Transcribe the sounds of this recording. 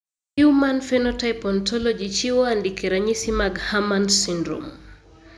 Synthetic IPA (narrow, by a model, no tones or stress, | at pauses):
umanfɛnɔtajpɔntʰɔlɔd͡ʒit͡ʃiwandikɛɾaɲisimaɡhamansindɾo̰m